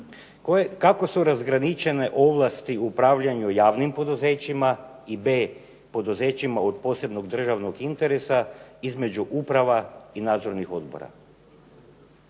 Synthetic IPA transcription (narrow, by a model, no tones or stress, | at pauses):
kako̞suɾazɡɾanit͡ʃe̞ne̞ʔo̞ʋlˠast̪iupɾaːʋʎaɲujaːʋnimpo̞d̪uze̞ːt͡ɕima | ibeː | po̞d̪uze̞ːt͡ɕimaod̪po̞se̞b̪no̞ɡd̪r̩ʒaʋno̞ɡint̪eɾesaizme̞d͡ʑuʔupɾaʋainaːd̪zo̞ɾnixo̞d̪bo̰ɾa̰